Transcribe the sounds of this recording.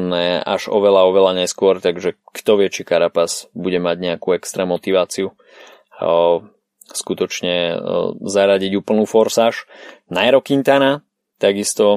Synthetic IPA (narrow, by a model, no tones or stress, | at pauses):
nɛʔa̰ʒɔʋɛlaɔʋɛlaɲɛskʊɔɾt̪aɡʒɛkt̪ɔʋɪɛt͡ʃikaɾapaz̥buɟɛmaɟɲɛakuɛkst̪ɾɛːmɔt̪iʋaːt͡siu | skut̪ɔt͡ʃɲɛ | zaɾaɟiɟuːpl̩nuːfɔɾsaːʃnajɛɾɔkint̪ana | t̪aɡist̪ɔ